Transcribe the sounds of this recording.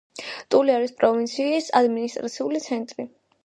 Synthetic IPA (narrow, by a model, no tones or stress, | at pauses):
t̪ʼuliaɾispʼɾɔvint̪sʰiːsa̰d̪minist̪ʼɾat̪sʰiulit̪sʰɛnt̪ʼɾi